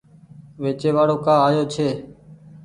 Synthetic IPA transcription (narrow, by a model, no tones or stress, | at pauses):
ʋeːt͡ʃeːʋaːɽoːkãːaːjoːt͡ʃʰeː